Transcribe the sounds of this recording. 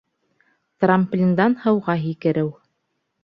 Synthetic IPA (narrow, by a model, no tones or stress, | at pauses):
t̪ramplʲind̪ɑnhɤ̆wʁɑɦikɘ̆ɾɘw